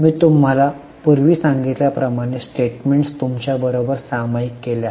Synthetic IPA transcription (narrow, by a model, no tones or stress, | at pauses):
miːt̪um̤ala | puɾʋiːsãŋɡit̪ljapɾəmaɽ̃esʈeʈmeɳʈst̪umt͡ɕjabəɾobəɾsamaikːelja